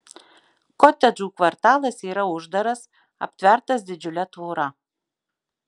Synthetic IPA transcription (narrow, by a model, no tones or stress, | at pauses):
kɔt̪ʲɛd͡ʒuːkʋɐɾt̪ɑːlˠɐsiːɾɐʊʒd̪ɐɾɐs | ɐ̰pʲt̪ʲʋʲɛɾt̪ɐsd̪ʲɪd͡ʒʲʊlʲɛt̪ʋoːɾɐ